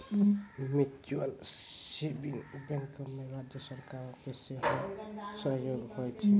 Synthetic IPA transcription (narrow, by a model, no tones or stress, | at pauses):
mit͡ʃualsibiŋbɛŋkɔmeɾad͡ʒjʌsɔɾkaɾɔkeseɦɔ̃sɔɦjoɡhɔjt͡ʃʰi